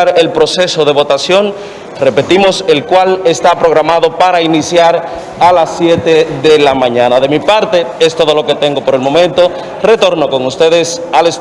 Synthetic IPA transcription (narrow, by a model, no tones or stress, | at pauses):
ɾe̞lpɾo̞se̞so̞ðe̞βo̞t̪asjo̞n | re̞pe̞t̪imo̞se̞lkwale̞st̪apɾo̞ɣ̞ɾamaðo̞paɾainisjaɾ | alasːje̞t̪eðe̞lamãɲãnaðe̞mipaɾt̪e̞e̞st̪o̞ð̞o̞lo̞ke̞t̪e̞ŋɡo̞po̞ɾe̞lmo̞mẽnt̪o̞ | re̞t̪o̞ɾno̞ko̞ŋust̪e̞ðe̞sales